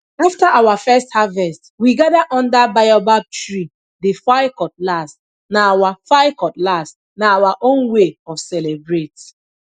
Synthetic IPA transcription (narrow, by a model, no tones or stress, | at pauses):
aftaʔawafɛsthavɛstwiɡaðaʔɔ̃ndabajɔbab̚tɹi | difaɪkɔt̚last | naawafaɪkɔtlast | naawaʔõnweɔfsɛlebɹet